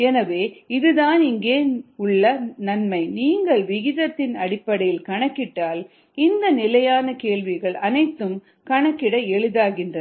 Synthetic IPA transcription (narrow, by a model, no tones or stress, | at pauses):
ɛnɐʋeːɪðɯðaːnɪŋɡeːʊɭːɐnɐnmɐɪniːŋɡɐɭʋɪɣɪðɐt̪ːɪnɐɽɪpːɐɽɐjɪlkɐɳɐkːɪʈːaːl | ɪnd̪ɐnɪlɐjaːnɐkeːɭʋɪɣɐɭɐnɐɪt̪ːɯm | kɐɳɐkːɪɽɐɛɭɯðaːɣɪndrɐ